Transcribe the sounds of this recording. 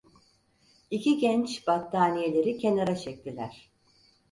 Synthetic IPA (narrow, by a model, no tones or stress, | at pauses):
iciɟɛnt͡ʃb̥at̪ʰːaːnije̞lʲe̞ɾicʰe̞naɾat͡ʃʰɛk̚t̪ʰilʲæɾ̥